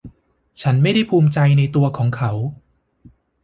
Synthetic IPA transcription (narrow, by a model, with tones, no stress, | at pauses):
t͡ɕʰa˦˥nma˥˩jda˥˩jpʰuː˧mt͡ɕa˧jna˧jt̪u˧ɐkʰɔː˩˦ŋkʰa˦˥w